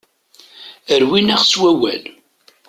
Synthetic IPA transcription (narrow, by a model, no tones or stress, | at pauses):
əɾwinaʁswæwæl